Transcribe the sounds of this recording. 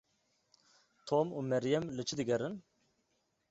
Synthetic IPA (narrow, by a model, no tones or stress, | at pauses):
t̪ʰomumɛɾjɛmlɨt͡ʃʰɨd̪ɨɡɛɾɨn